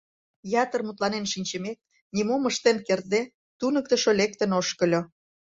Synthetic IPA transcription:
jɑt̪ərmut̪lɑnenʃinʲt͡ɕəmek̚ | nʲimoməʃt̪enkerd̪e | t̪unək̚t̪ə̆ʃolek̚t̪ənoʃkə̆lʲo

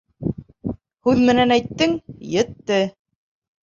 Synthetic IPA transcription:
hʉðmɘ̆nænæjt̪ːɘŋjɘ̆t̪ːɘ

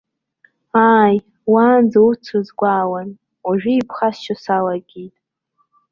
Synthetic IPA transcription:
aːj | waːnd͡zaut͡sʰozɡʷaːwan | waʒᶣiipʰχasʃasalaɡʲitʼ

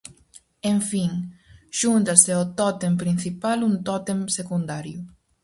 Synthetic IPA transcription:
eɱfiŋʃunt̪aseot̪ɔt̪empɾinθipalunt̪ɔt̪emsekund̪aɾju

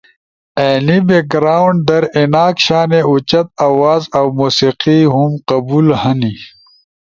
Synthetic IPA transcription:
eːnibeɡɾaːwuɳɖ̚d̪ɐɾinaːkɕaːneut͡ɕɐt̪̚aːwaːzɐwmuːsiqiɦumqɐbuːlhɐni

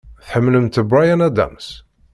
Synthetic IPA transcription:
θħəmːləmt̪bɾajanæd̪æ̰ms

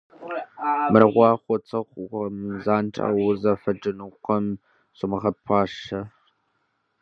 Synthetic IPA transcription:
mɨrʁʷɑːχʷɔt͡sʼɐχʷɐmzaːnʈ͡ʂʼa̰ːwʊzɐfɐd͡ʒɨnɨqʷɔm | ɕʷʼɪmɨʁɐpʰɑːʂɐ

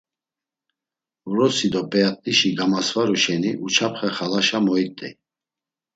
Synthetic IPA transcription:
uɾɔsid̪ɔpʼɛat̪ʼiʃiɡamasvaɾuʃɛniʔut͡ʃʰapʰχɛχalaʃamɔit̪ʼḭ

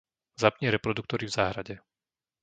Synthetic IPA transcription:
zapɲɪɛɾɛpɾɔd̪uk̚t̪ɔɾivzaːɦɾaɟɛ

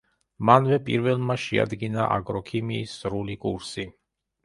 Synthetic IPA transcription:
manvɛpʼḭɾvɛlˠmaʃia̰d̪ɡinaʔa̰ɡʼɾɔkʰimiːsɾulikʼuɾsi

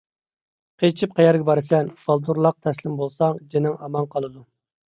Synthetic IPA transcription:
qʰet͡ʃʰip̚qʰɑjɑɾɡʲɛbɑɾɨsɛnb̥ɑlˠd̪uɾlˠɑq̚t̪ʰɛslɪmbolˠsɑŋd͡ʒenɪŋɑmɑnqʰɑlˠɨd̪u

